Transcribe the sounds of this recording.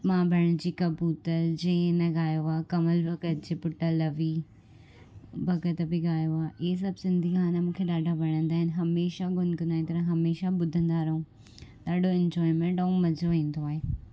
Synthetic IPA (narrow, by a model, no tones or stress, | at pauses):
mãbʱɐɽ̃d͡ʑiːkɐpuːt̪əɾd͡ʑɐ̃nɐɡaːjoaːkɐməlbʱɐkət̪̚d͡ʑepʊʈəlɐʋi | bʱɐɡət̪bɪɡaːjoaːʔɪɦes̬ɐbʱsɪ̃nd̪ʱikʰaːnamũːkʰeɗaːɖʱabʱɐɽ̃ə̃nd̪aːɦɪnɪɦɐmeːʃaɡʱʊnknaːĩt̪ɐɾə̃ɦɐmeːʃaɓʊd̪ʱə̃nd̪aɾɐɦũ | ɗaːɖʱoɪ̃ɲd͡ʑɔːimẽɳʈɐũmɐzʱoʋĩːn̆d̪oaːɦeː